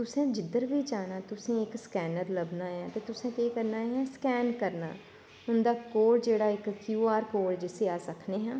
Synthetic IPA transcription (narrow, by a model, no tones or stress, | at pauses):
t̪ʊsẽːd͡ʒɪd̪əɾʋiːd͡ʒaːnaːt̪ʊsẽːɪkskɛːnəɾləbnaːɦɛ̃ːt̪eːt̪ʊsẽːt̪eːkəɾnaːɦɛ̃ːskɛːnkəɾna̰ː | ʊnd̪aːkoːɽd͡ʒeːɽaːɪkːjuːaːɾkoːɽd͡ʒɪseːaːsəkʰneːɦãː